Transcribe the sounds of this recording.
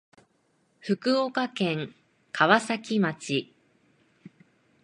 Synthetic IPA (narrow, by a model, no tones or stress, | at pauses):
ɸɯ̟kɯ̟okakẽ̞ŋ | kʰaβasakʲimat͡ɕi